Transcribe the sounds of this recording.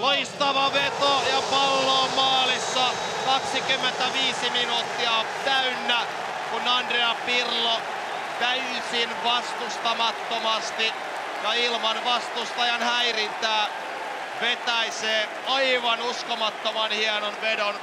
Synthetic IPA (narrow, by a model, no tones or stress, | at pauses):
loist̪ɑʋɑʋet̪ojɑpɑlːoːmːɑːlisːɑ | kɑksikymːent̪æʋiːsiminuːt̪ːiɑ | t̪æynːæ | kunɑndreɑpirlo | t̪æy | sinʋɑst̪ust̪ɑmɑt̪ːomɑst̪i | jɑilmɑnʋɑst̪ust̪ɑjɑnhæirint̪æː | ʋet̪æiseː | ɑiʋɑnuskomɑt̪ːomɑnhiɑnonʋedon